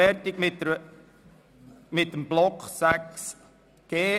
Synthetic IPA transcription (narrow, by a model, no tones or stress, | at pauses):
ɛrtɪkmɪtə | mɪt̪̚ːəmblɔksæks | ɡ̥eː